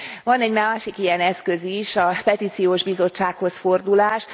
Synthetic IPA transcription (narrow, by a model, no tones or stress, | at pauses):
vɒnɛɟmaːʃikijɛnɛskøziʃɒpɛt̪it̪sijoːʒbizo̞t͡ʃːaːkho̞sfo̞rd̪ulaːʃ